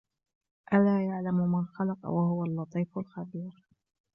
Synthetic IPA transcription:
ʔalaːjaʕlamʊmanxɑlɑqɑ̰wahʊwalːɑt̪ˤiːfʊlxabiːɾ

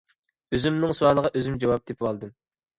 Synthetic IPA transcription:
øzymnɪŋsuwɑlˠəʁɑʔøzymd͡ʒɑwɑp̚d̪epwɑlˠd̪ɨm

